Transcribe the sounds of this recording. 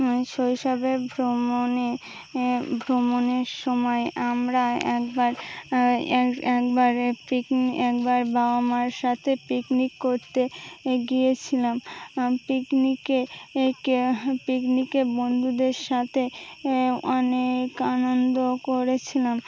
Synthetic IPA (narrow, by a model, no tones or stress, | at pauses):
ʃojʃɔbebʱɾomone | bʱɾomoneɾʃɔmɔeamɾaɛkbaɾ | ɛkbaɾpikniɛk̚baɾbʱaoamaɾʃat̪ʰepiknikːoɾt̪eɡijet͡ɕʰilampiknikekepiknikebond̪ʱud̪eɾʃat̪ʰe | ɔnekanond̪okoɾet͡ɕʰilam